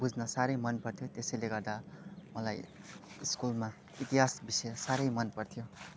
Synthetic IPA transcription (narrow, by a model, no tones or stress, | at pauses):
bud͡znʌsaɾʌjmʌnpʌrt̪ʰjot̪esʌjleɡʌrd̪amʌlaj | iskulma | it̪iɦasbisʌjʌsaɾʌjmʌnpʌrt̪ʰijo